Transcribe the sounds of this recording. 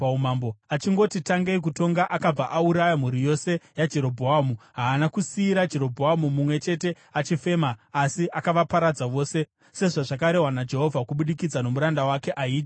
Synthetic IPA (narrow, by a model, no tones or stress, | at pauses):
paumambo̞at͡ʃiŋɡo̞titaŋɡeik̬uto̞ŋɡaʔakab͡vaʔauɾajam̤uɾijo̞se̞jad͡ʒe̞ɾo̞bʱoamuɦaːnakusiːɾad͡ʒe̞ɾo̞bʱoɦamumumwe̞t͡ʃe̞te̞ | at͡ʃife̞ːmaːsiʔakaʋapaɾad͡zaʋo̞ːse̞ | se̞ʐaʐak̬aɾe̞ɦwanad͡ʒe̞ɦo̞vʱakuɓuɗikid͡zano̞muɾandawake̞ʔaiːd͡ʒi